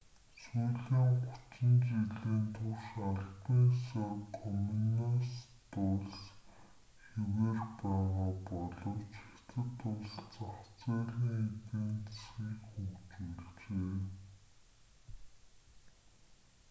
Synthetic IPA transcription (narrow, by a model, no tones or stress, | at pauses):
suːɮiːŋχʊ̥t͡sɪ̆nt͡ɕiɮeːnt̪ʰʊwʃaɮpiːnsɔkʰɔminas | t̪ʊɮs | xeweːrpæːʁaːpɔɮɞ̆wt͡ɕet̪ʰɘ̆t̪ʊɮt͡saχt͡sæːɮiːŋet̪iːnt͡ssxiːkxɵkt͡ɕuːɮt͡ɕeː